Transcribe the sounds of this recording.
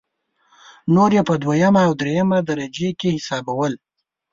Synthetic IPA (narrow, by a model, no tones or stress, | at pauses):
noɾjepəd̪wajamaːwd̪ɾejamad̪aɾad͡ʒekehɪsɑbawəl